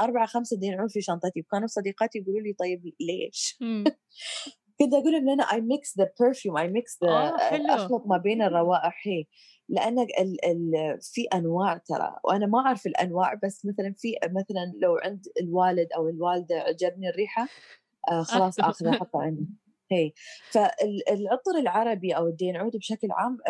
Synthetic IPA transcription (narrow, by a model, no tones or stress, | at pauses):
ʔɑɾˤbaʕaxamsad̪eːnʕuːfiʃɑnt̪ˤɑt̪iwkaːnusˤɑd̪iːqɑːt̪ijɡuːluːlit̪ˤɑjːɪbilḛːʃ | kʊnt̪ʔaɡuːlhʊmlanaʔajmɪksðapəɾfjuːmʔajmɪksðaʔɑxlɑt̪ˤmabeːnɨrˤːɑwaːʔɪħheː | lɪʔanːaɪlɪfiʔanwaːʕt̪ʰɑ̰ɾˤɑ̰wʔanamaʔaːɾfɪlʔa̰nwa̰ːʕbasːmaθalanfimaθalanlawʕɪ̰nd̪ɪlwaːlɪd̪ʔawɪlwaːlɪd̪aʕad͡ʒab̚nirːiːħa | ʔxɑlɑːsˤʔa̰ːxɪɾʔaħɑt̪ˤːɑʕanːi | heːfaɪlɪlʕɨt̪ˤɨɾɪlʕɑɾˤɑbiʔawɪd̪ːeːnʕuːd̪bʃaklʕa̰ːm